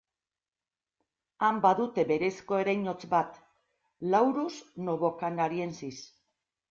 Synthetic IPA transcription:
ambaðut̪e̞be̞ɾe̞sko̞e̞ɾajɲo̞t͡sbat̪ | lawɾusno̞βo̞kanaɾie̞nsis

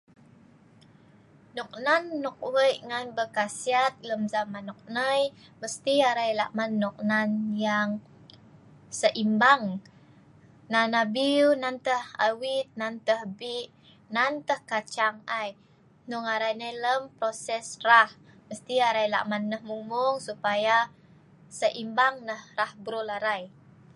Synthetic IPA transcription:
nuk̚nanːɔk̚wəjʔŋanbəkasiat̪̚ləmzamanːɔk̚nəjməst̪iaɾajla̰ʔmanːɔk̚nanjaŋ | səʔimbaŋ | nanabiwnant̪əha̰wit̪̚nant̪əhbiʔ | nant̪əhkat͡ʃaŋaj | nuŋaɾajnəjləmpɾosɛsrahməst̪iaɾajla̰ʔmanːəhmumʊŋsupaja | səʔimbaŋnəhrahbɾulaɾaj

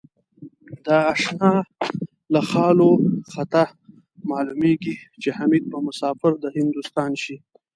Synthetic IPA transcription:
d̪əaʃnɑ | laxɑloxat̪a | mɑlumeɡit͡ʃehamid̪̚pəmʊsɑfɪɾd̪əhɪnd̪ust̪ɑnʃi

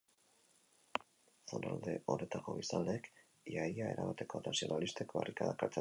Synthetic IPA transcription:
sana̰ld̪e̞ʔo̞ɾet̪ako̞βisaleek | jajae̞ɾamat̪e̞ko̞nasio̞nalist̪ekbarikaðakaɾt͡se

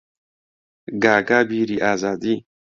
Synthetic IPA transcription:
ɡaːɡaːbiːɾiːʔaːzaːd̪iː

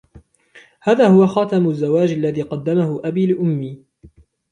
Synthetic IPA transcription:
haːðaːhʊwaxɑːt̪amʊzːawaːd͡ʒalːaðiːqɑd̪ːamahʊʔabiːlɪʔʊmːiː

